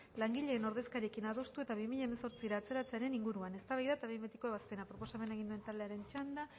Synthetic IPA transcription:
laŋɡiʎe̞ːno̞ɾðe̞skaɾiekinaðo̞st̪ue̞t̪aβimiʎaemeso̞ɾt͡siɾaːt͡se̞ɾat͡seaɾe̞niŋɡuɾuane̞st̪aβajðat̪aβemet̪ikoaβaspe̞napɾo̞po̞same̞nae̞ɣind̪ue̞nt̪ald̪e̞aɾe̞nt͡ʃand̪a

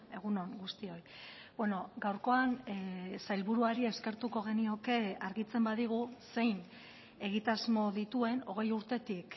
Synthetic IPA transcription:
e̞ɣ̞uno̞ŋɡust̪io̞j | bweno̞ɡawɾko̞ansajlβuɾuaɾie̞ske̞ɾt̪uko̞ɣ̞e̞nio̞ke̞aɾɣit͡se̞mbaðiɣ̞use̞jn | e̞ɣ̞it̪azmo̞ðit̪ue̞no̞ɣ̞e̞juɾt̪e̞t̪ik

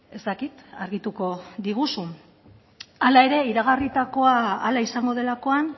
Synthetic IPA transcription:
e̞zt̪akit̪aɾɣit̪uko̞ðiɣusu | alae̞ɾe̞iɾaɣ̞arit̪ako̞aːlaisaŋɡo̞ð̞e̞lako̞an

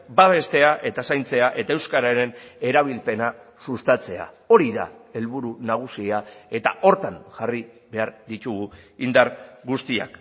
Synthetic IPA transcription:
baβ̞e̞st̪e̞aʔe̞t̪asajnt͡se̞aʔe̞t̪ae̞wskaɾaɾe̞ne̞ɾaβ̞ilpe̞nasust̪at͡se̞a̰ | o̞ɾiða̰e̞lβuɾunaɣ̞usiae̞t̪a̰ʔo̞ɾt̪anʝariβe̞aɾðit̪uɣuind̪aɾɣust̪ia̰k

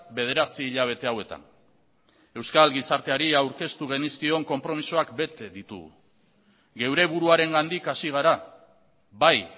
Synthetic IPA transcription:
be̞ð̞e̞ɾat͡siːʎaβ̞e̞t̪e̞awe̞t̪a̰n | e̞wskalɡisaɾt̪e̞aɾiawɾke̞st̪uɣ̞e̞niskio̞ŋko̞mpɾo̞misoakbe̞t̪eðit̪ṵɣṵ | ɡe̞wɾe̞βuɾuaɾe̞ŋɡand̪ikasiɣ̞aɾa | βaj

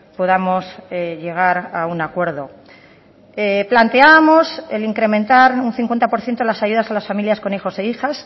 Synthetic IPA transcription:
poðamo̞seʝe̞ɣ̞aɾaunakwe̞ɾðo̞̰ | eplant̪eaβamo̞seliŋkɾe̞mẽnt̪aɾunθiŋkwe̞nt̪apo̞ɾθje̞nt̪oelasaʝuð̞asalasfamiljasko̞nixo̞seixas

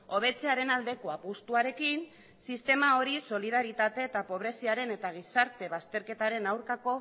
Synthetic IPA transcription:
o̞β̞e̞t͡se̞aɾe̞nald̪e̞ko̞apust̪uaɾe̞kin | sist̪e̞mao̞ɾiso̞lið̞aɾit̪at̪e̞ːt̪apo̞β̞ɾe̞siaɾe̞ne̞t̪aɣ̞isaɾt̪e̞β̞ast̪e̞ɾke̞t̪aɾe̞nawɾkako̞

